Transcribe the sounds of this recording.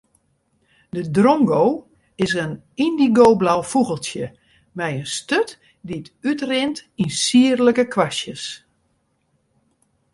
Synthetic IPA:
dədrɔmɡow | ɪsən | indiɡowblawfuɣəlˠtjə | mɛjənstøt | diətytrɪntinsiərləkəkʰʋasjəs

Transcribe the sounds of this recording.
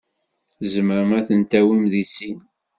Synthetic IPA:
zməɾəmæθənt̪æwimðisin

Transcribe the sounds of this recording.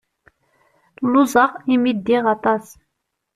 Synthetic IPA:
luzɑqimid̪ːiʁɑt̪ɑs

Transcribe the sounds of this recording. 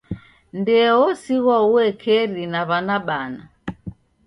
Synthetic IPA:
ndɛɔsiɣwauɛkʰɛɾinaβanaɓana

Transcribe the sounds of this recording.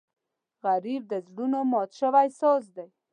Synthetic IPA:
ɣaɾib̚d̪əzɽunomɔt̪ʃəwajsɔzd̪aj

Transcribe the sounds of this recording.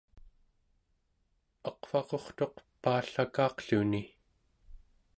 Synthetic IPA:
ɑqfɑqo̞χt̪o̞qpaːɬakɑːqɬuni

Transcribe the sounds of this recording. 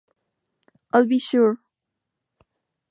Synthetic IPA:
ʔaɪlˠbiʃuɹ

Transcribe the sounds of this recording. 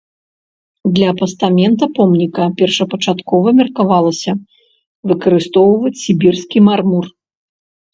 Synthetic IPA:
d̪lʲɐːpɐst̪amʲɛnt̪ɐpɔmnʲikɐpʲɛrʂɐpɐt͡ʂat̪kɔvɐmʲɛrkavalˠɐsʲɐ | vɨkɐɾɨst̪ɔwvɐt͡sʲsʲibʲirskʲimarmur

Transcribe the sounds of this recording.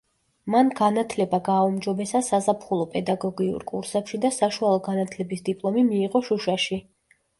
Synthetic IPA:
manɡanat̪ʰlɛbaɡaːumd͡ʒɔbɛsasazapʰχulˠɔpʼɛd̪aɡɔɡiṵɾkʼṵɾsɛpʃid̪asaʃualˠɔɡanat̪ʰlɛbisd̪ipʼlˠɔmimiːʁɔʃuʃaʃi

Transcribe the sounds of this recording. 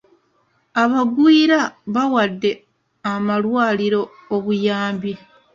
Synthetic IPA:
aβaɡwiːɾaβawadːe̞ | amalwaːliɾo̞ːβujaːmbi

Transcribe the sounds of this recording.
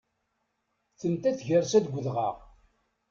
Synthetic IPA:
θənt̪æθʝərsæd̪ɡʷːəðʁɑ̰ʁ

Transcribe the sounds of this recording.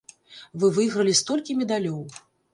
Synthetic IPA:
vɨvɨjɣɾɐlʲist̪ɔlʲkʲimʲɛd̪alʲɔw

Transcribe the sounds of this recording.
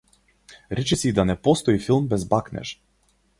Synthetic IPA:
ɾɛt͡ʃɛsiːd̪anɛpɔst̪ɔifilˠmbɛzbaknɛ̰ʃ

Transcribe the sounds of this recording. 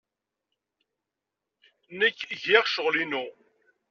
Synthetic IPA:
nəkːʝiʁʃəʁlinu

